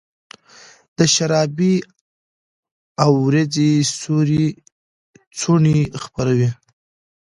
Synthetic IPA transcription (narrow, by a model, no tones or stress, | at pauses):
d̪̥əʃaɾɑbi | awːɾad͡zisuɾi | t͡suɳixpaɾawi